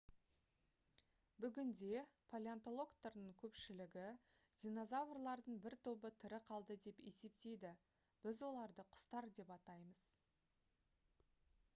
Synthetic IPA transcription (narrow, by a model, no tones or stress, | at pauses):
bʏɡʲɪnd̪e̞pʰolʲeant̪o̞lˠo̞kt̪əɾnəɴkʲʰɵpʃɪlɪɡʲɪ | d̪̥ʲino̞zavrlˠɑɾd̪əɴbɪɾt̪ʰo̞bət̪ʰɪɾɪqʰɑlˠd̪əd̪e̞pe̞se̞p̚t̪e̞jd̪ɪ | b̥ɪzwo̞lˠɑɾd̪əqʰʊ̥st̪ɑɾd̪e̞pɑt̪ɑjməz̥